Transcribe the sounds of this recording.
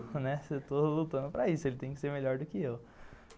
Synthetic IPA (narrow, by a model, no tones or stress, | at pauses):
nɛset̪olut̪ɐ̃nd̪ʊpɾɐisʊelɪt̪ẽj̃kɪ̥seɾmeʎɔɾd̪ʊkɪew